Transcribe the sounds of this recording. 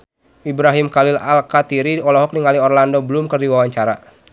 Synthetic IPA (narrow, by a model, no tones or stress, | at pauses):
ibɾaɦimkalila̰lkat̪iɾiɔlɔɦɔk̚niŋaliɔrlandɔbəlumkərdiwawaɲt͡ʃaɾa